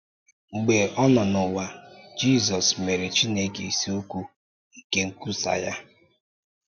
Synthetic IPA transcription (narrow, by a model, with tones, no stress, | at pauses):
ŋ͡m̩˨ɡ͡be˨ʔɔ˦nɔ˨nʊ˨wa˨d͡ʒi˦˨zɔ˨sme˨ɾe˨t͡ʃi˦ne˦ɡe˨i˨si˦u˦kʷu˦ | i˦˨ke˦ŋ̩˦ku˦sa̰˨ja˦